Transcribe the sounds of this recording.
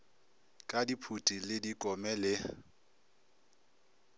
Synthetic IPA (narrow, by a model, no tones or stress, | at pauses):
kʼadipʰutʼilɪdikʼɔmɛlɪ